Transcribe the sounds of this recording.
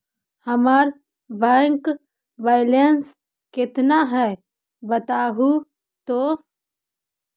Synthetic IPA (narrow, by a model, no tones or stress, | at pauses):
həmaːɾ | baŋk | baːjlens | kɪt̪naɦɛ | bət̪aːɦu | t̪oː